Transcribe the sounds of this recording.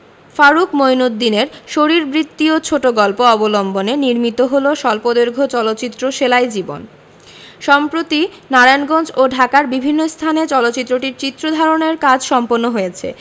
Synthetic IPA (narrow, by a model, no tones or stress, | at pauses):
faɾukmojnod̪ːineɾʃoɾiɾbɾit̪ːiot͡ɕʰoʈoɡɔlpoɔbolomboneniɾmit̪oɦoloʃɔlpod̪eɾɡʱot͡ɕɔlot̪ːɕit̪ːɾoʃelaed͡ʑibo̰n | ʃɔmpɾot̪i | naɾajnɡond͡ʑoɖʱakaɾbibʱinːost̪ʰanet͡ɕɔlot̪ːɕit̪ːɾoʈiɾt͡ɕit̪ːɾod̪ʱaɾoneɾkad͡ʑʱʃɔmponːoɦojet͡ɕʰḛ